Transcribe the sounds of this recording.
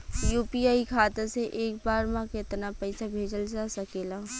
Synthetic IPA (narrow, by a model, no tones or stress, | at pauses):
juːpiaːikʰaːt̪əseʔeːk̚baːɾmãkɪt̪napɛɪsabʱeːd͡ʒəld͡ʒasɐkeːlaː